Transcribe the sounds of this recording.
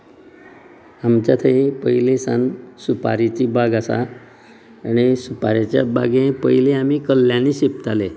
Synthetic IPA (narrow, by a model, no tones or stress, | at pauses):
amt͡ɕat̪ʰəipəilesansupaɾit͡ɕiːbaɡasa̰ː | ɽ̃isupaɾjat͡ɕjabaɡẽpəjlẽam̤iːkəlːjãniɕep̚t̪ale